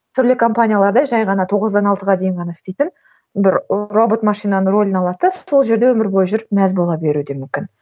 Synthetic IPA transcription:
t̪ʰʏɾlɪkʰo̞mpanʲijalˠɑɾd̪ɑjʒɑjʁɑnɑt̪ʰo̞ʁəzd̪ɑnɑlˠt̪əʁɑd̪e̞jɪɴʁɑnɑɪst̪e̞jt̪ɪn | bɪɾro̞bo̞t̪mɑʃijnanəro̞lʲɪnɑlˠɑt̪əso̞lˠʒe̞ɾd̪e̞wɵmɪɾbo̞jʒʏɾɪpmæzbo̞lˠɑbe̞ɾud̪e̞mʏmkʲɪn

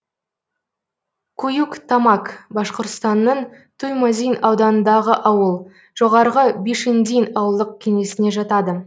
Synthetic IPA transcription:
kʰujukt̪ʰɑmɑkbɑsqoɾt̪st̪ɑnːəɴ | t̪ʰujmazijnɑwd̪ɑnənd̪ɑʁəʔɑwəlˠ | ʒ̥o̞ʁɑɾəʁəbeʃend̪ijnɑwəlˠd̪əq̚kʲʰe̞ŋe̞sɪne̞ʒɑt̪ɑd̪ə

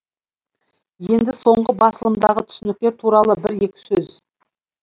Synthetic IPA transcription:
je̞nd̪ɪso̞ɴʁəbɑsəlˠəmd̪ɑʁət̪ʰʏ̥sɪnɪk̚t̪e̞ɾt̪ʰuɾɑlˠəbɪɾe̞kʲɪ̥sɵz

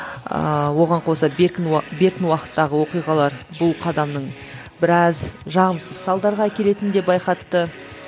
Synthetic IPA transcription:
ə̰wo̞ʁɑɴqʰo̞sɑbekʲɪnbe̞ɾkʲɪnwɑqə̥t̪ːɑʁəwo̞qijʁɑlˠɑɾ | bʊlˠqʰɑd̪ɑmnəɴ | bɪɾɑzʒɑʁəmsəzsɑlˠd̪ɑɾʁɑækʲe̞le̞t̪ɪnd̪e̞bɑjqɑt̪ːə

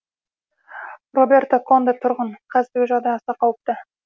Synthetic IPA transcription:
robʲe̞rt̪okʰo̞nd̪ət̪ʰʊɾʁəɴqʰɑzɪɾɡʲɪʒɑʁd̪ɑjɑsɑqʰɑwəp̚t̪ə

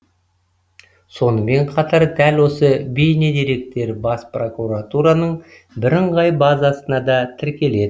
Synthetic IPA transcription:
so̞nəme̞ɴqʰɑt̪ɑɾd̪ælwo̞səbejned̪eɾe̞k̚t̪e̞ɾbɑspro̞kuɾat̪uɾɑnəɴ | bɪɾɪɴʁɑjbɑzɑsənɑd̪ɑt̪ʰɪɾkʲe̞le̞d̪ɪ

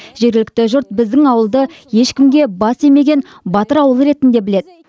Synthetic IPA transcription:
ʒ̥e̞ɾɡʲɪlɪk̚t̪ɪʒʊɾt̪̚bɪzd̪ɪŋɑwəlˠd̪əje̞ʃkʲɪmɡʲe̞bɑse̞me̞ɡʲe̞n | bɑt̪əɾɑwəlˠəɾe̞t̪ɪnd̪e̞bɪled̪ɪ

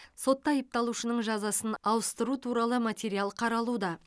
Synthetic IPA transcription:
so̞t̪ːɑɑjəp̚t̪ɑlˠuʃənəɴʒɑzɑsənɑwəst̪əɾut̪ʰuɾɑlˠəmat̪ʲeɾijalˠqʰɑɾɑlˠud̪ɑ

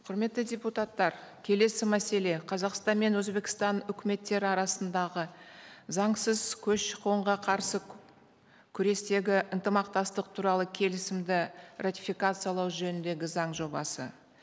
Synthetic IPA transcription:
qʰʊɾme̞t̪ːɪdʲeput̪at̪ːɑɾkʲʰe̞le̞sɪmæse̞le̞qʰɑzɑqst̪ɑnme̞nwɵzbe̞kʲɪ̥st̪ɑnʏkʲɪme̞t̪ːe̞ɾɪɑɾɑsənd̪ɑʁəzɑɴsəz̥kʲʰɵʃʃəquwəɴʁɑqʰɑɾsə | kʲʰʏɾe̞st̪e̞ɡʲɪʔənt̪əmɑqt̪ɑst̪əq̚t̪ʰuɾɑlˠəkʲʰe̞lɪsɪmd̪ɪrat̪ʲifijkat̪sɨjɑlˠɑwʒɵnɪnd̪e̞ɡʲɪzɑɴʒo̞bɑ̰sə̰

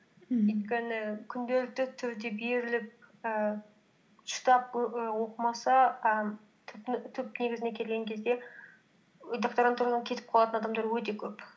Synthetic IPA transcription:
yjt̪kʲenɪkʲʰʏnd̪e̞lɪk̚t̪ɪt̪ʰʏɾd̪e̞be̞ɾɪlɪp̚ə | ʃə̥t̪ɑp̚əwo̞qəmɑsɑə | t̪ʰp̪t̪ʰʏp̚ne̞ɡʲɪzɪne̞kʲʰe̞lɡʲe̞ŋkʲʰe̞zd̪e̞ | d̪oqt̪aɾaɑnt̪ʰuɾɑsɑkʲʰe̞t̪ɪp̚qʰɑlˠɑt̪ənɑd̪ɑmd̪ɑɾwɵt̪e̞kʲʰɵp

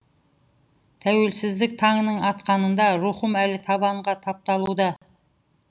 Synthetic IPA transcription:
t̪ʰæwelsɪzlɪk̚ʲt̪ʰɑŋnəɴɑt̪qɑnənd̪ɑɾuχʊmælɪt̪ʰɑβɑɴʁɑt̪ʰɑp̚t̪ɑlˠud̪ɑ

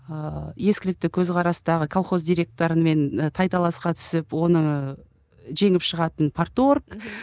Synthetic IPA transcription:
əje̞skʲɪlɪk̚t̪ɪkʲʰɵzqʰɑɾɑsənd̪ɑʁəkʰolˠχo̞zd̪ijɾʲe̞k̚t̪o̞ɾənme̞nt̪ʰɑjt̪ɑlˠɑsqɑt̪ʰʏ̥sɪpwo̞nə | ʒe̞ŋɪpʃəʁɑt̪ənpʰort̪o̞rk

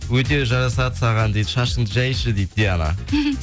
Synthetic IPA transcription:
wɵt̪e̞ʒɑɾɑsɑt̪sɑʁɑnd̪ejd̪əʃɑʃənəʒɑjʃəd̪ejd̪d̪eɑnɑ̰

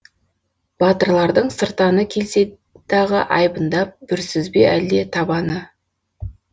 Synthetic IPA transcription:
b̥ɑt̪əɾlˠɑɾd̪əɴsəɾt̪ɑnəkʲʰe̞lse̞ | d̪̥ɑʁəʔɑjbənd̪ɑp̚b̥ʏɾsɪzbeʔæld̪e̞t̪ʰɑbɑnə

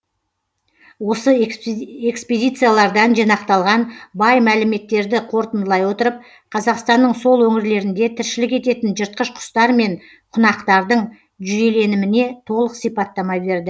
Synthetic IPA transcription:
wo̞sə | e̞kspid̪ʲijt̪sɨjalˠɑɾd̪ɑnʒijnɑqt̪ɑlˠʁɑnbɑjmælɪme̞t̪ːe̞ɾd̪ɪqʰo̞ɾt̪ənd̪əlˠɑjwo̞t̪əɾəp̚ | qʰɑzɑqst̪ɑnːəɴso̞lˠwɵŋɪɾle̞ɾɪnd̪e̞t̪ʰɪɾʃɪlɪkʲe̞t̪e̞t̪ɪnʒəɾt̪̚qəʃqʰʊ̥st̪ɑɾme̞n | qʰʊnɑqt̪ɑɾd̪əɴ | ʒʏje̞le̞nɪmɪne̞t̪ʰo̞lˠəqsijpɑt̪ːɑmɑbe̞ɾd̪ɪ

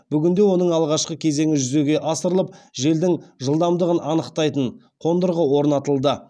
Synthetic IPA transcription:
b̥ʏɡʲɪnd̪e̞wo̞nəɴɑlˠʁɑʃqəkʲʰe̞ze̞ŋɪʒʏze̞ɡʲe̞ʔɑsəɾəlˠəp̚ʒe̞ld̪ɪŋʒəlˠd̪ɑmd̪əʁənɑnəqt̪ɑjt̪əɴ | qʰo̞nd̪əɾʁəwo̞ɾnɑt̪əlˠd̪ə

